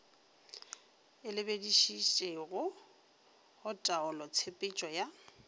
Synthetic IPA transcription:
ɪlɪbediʃit͡ʃʼeɣʊ | hʊtʼaʊlɔt͡sʰepʼɪt͡ʃʼɔja

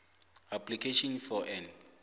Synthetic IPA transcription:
apʰlikʰeʃɔnfɔʔɛn

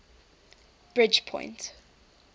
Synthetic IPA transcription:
b̥ɹɪd͡ʒpʰɔ̰̃ɪ̃nt

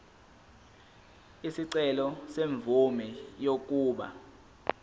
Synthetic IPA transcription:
isiǀɛlɔseɱb̪vumɛjok̬ʼuːɓa̰

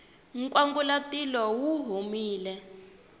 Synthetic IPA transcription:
ŋ̩kʼwaŋɡulatilɔwuɦomiːlɛ

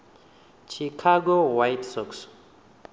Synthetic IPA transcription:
t͡ʃʰikʰaɡowajtsɔks

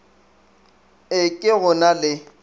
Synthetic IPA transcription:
ɪkʼɪɣʊnalɪ

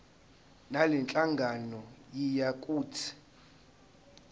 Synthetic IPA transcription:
nalɛnt͡ɬʼaŋɡʱanɔjijakʼuːtʰi̥

